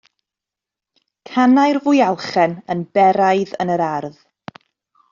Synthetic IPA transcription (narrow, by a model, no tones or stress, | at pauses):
kʰanajrvʊjalˠχɛnənbɛɾajðə̰nəɾarð